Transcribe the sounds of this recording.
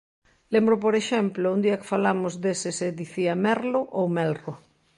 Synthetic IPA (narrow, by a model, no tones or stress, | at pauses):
lembɾʊp̬oɾeʃɛmplʊund̪iɐkɪ̥falamʊzd̪esɪsɪd̪iθiamɛɾlʊʔowmɛlro